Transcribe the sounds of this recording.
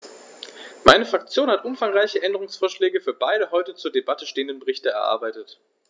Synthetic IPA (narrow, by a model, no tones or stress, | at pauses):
maɪnəfʁ̥ak̚t͡sjoːnhatʔʊmfaŋʁaɪçəʔɛndəʁ̞ʊŋsfoːɐʃlɛːɡəfyːɐbaɪɾəɦɔʏtət͡suːɐdebatəʃteːəndənbəʁɪçtəɛ̰ɐʔa̰ɐbaɪtət